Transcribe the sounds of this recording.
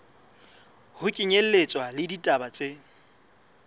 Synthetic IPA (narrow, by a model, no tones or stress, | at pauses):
hʊkʼɪɲel̩let͡sʼwalɪditʼabat͡sʼe